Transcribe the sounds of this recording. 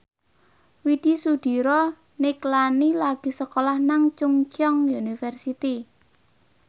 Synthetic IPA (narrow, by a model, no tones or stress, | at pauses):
wid̪̥i̤sud̪̥i̤ɾɔ | nɪklanilaɡ̥i̤səkolahnaŋt͡ʃuŋt͡ʃɔŋjunifɛrsit̪i